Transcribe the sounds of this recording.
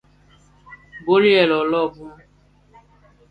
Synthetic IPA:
bo˦ɾi˦ɛ˨lɔ˨lɔ˦˨bũ˦

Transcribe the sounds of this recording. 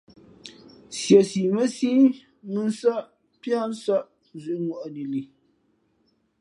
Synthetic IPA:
sjɛ˨si˨mə˦si˦ | mɨ˦n˦sa˦ʔ | pi˦a˦n̩˦sa˦ʔ | zu˨ʔŋɔ˨ʔni˨li˨

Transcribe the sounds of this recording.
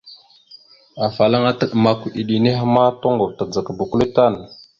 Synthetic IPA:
a˨fa˨la˦ŋa˦tə˦ɗma˨kʷɗi˨ɗi˨ni˦ɦma˦to˦ŋɡo˨vta˨d͡za˨kbu˨ku˦li˦ta˦˨n

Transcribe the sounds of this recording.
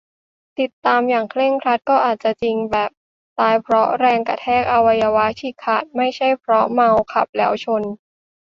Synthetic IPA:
t̪i˨˩t̪ːaː˧mjaː˨˩ŋkʰle˥˩ŋkʰɾa˦˥t̪̚kɔː˥˩ʔaː˨˩t̪̚t͡ɕa˨˩t͡ɕi˧ŋbɛː˨˩p̚ | t̪aː˧jpʰɾɔ˦˥ɾɛː˧ŋka˧˩t̪ʰɛː˥˩k̚ʔa˧wa˧jaː˧wa˦˥kʰiː˧˩kʰaː˨˩t̪̚ma˥˩jt͡ɕʰa˥˩jpʰɾɔ˦˥ma˧wkʰa˨˩p̚lɛː˦˥wt͡ɕʰo˧n

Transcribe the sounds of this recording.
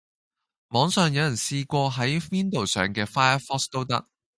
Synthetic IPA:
mɔː˨˧ŋsœː˨ŋjɐ˨˧wjɐ˨˩nsiː˧kʷɔː˧ɦɐ˨˥jwiː˥nt̪o˨˩wsœ̰ː˨˩ŋkɛː˧faː˥jɐ˥fɔː˥st̪o˥wt̪ɐ̰˥k̚

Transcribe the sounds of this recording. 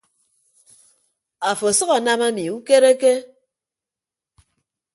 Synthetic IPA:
a˨fo˨sʌ˦ɣa˨na˦ma˦mi˨u˦ke˦ɾe˦ke˦

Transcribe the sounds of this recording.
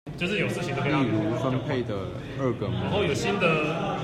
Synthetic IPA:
t͡ɕjo˥˧ʊʂ̬ɻ̩˥˩jo˨˩ʊʂɹ̩˥˩t͡ɕʰi˧˥ŋd̪i˥˩u˧˥sa˥npʰe˥˩ɪd̪ə˩ | ə˥˩ɡə˩a˧˦nxo˥˩ʊjo˨˩ʊɕi˥nd̪ə˨

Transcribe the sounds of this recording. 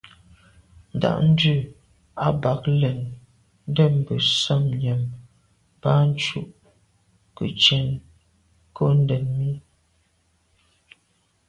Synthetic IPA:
n̩˨da̰˨ʔn̩˦dʉ˦˨ | a˦ba˨˦k̚lə˨n | n̩˦də˦˨m˨bə˨sə˦mɲjə˨m | pa˦n˦t͡ʃu˦ʔ | kə̰˨t͡ʃɛ˨n | ko˦n̩˦dɛ˨nmi˦

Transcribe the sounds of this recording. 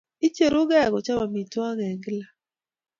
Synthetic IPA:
i˦t͡ʃe˨ɾʊ˦ɡa˦˨ɡɔ˨t͡ʃa˦ma˨mi˨twa˦ŋɛ˨ŋɡla˦

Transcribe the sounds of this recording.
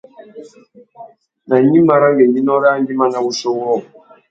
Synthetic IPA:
na˨ɲi˦ma˨ɾa˦ŋɡɛ˨ɡi˦nɔ˦ɾnd͡ʒi˦ma˦na˨wu˦sɔ˦wɔ˦˨

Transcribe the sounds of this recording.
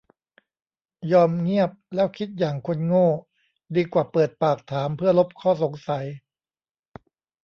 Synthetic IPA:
jɔː˧mŋi˥˩əp̚lɛː˦˥˩wkʰi˦˥t̪̚jaː˨˩ŋkʰo˧nŋoː˥˩ | diː˧kwaː˨˩pɤː˨˩t̪̚paː˨˩k̚t̪ʰaː˩˦mpʰɯ˥˩ɐlo˦˥p̚kʰɔː˥˩so˩˦ŋsa˩˦j

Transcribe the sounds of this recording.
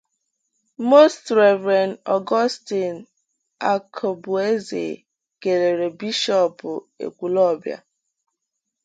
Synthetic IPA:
mo˦stɾɛ˨vɾɛ˨nɔ˨ɡɔ˦sti˨n | a˦kʰɔ˨bʊ˨e˦zḛ˨ | ɡ̥e˨ɾe˨ɾe˨bi˦ʃɔ˨pʊ˨ḛ˨kʷu˨lɔ˦˨bja̰˨

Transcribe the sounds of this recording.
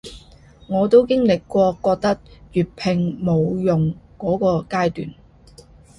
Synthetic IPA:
ŋɔː˨˧t̪o˥wkɪ˥ŋlɪ˨kːʷɔː˧kɔː˧k̚t̪ɐ˥k̚jyː˨˩t̚pʰɪ˨ŋmo˨˧wjʊ˨ŋkɔː˨˥kɔː˧kaː˥jt̪y̰ː˨n

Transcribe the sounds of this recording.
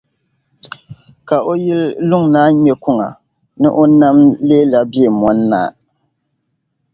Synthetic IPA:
ka˨ʔo˦ji˦llʊ˦ŋnaː˦ɲɛ˦kʊ˦ŋa̰˨ | nɨ̰˦ʔo˦na˦mleː˦la˨bi˦e˨mɔ˨˦nːa̰ː˦˨

